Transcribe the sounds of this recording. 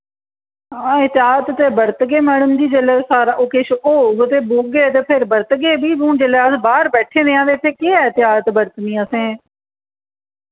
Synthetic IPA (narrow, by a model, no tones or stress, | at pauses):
ãːɪt̪ɪɦaːt̪t̪eːbəɾt̪ɡeːmɛːɽəmd̪iːd͡ʒeleːsaːɾaːʔoːkɪʃoːɡət̪eːbuːɡɡeːt̪eːpʰɪɾbəɾt̪ɡeːbiːɦũːd͡ʒelɛːəsbaːɾbɛːʈʰeːneãːʋeːt̪ʰeːkeːɛːɪt̪ɪaːt̪bəɾt̪nĩːəsẽː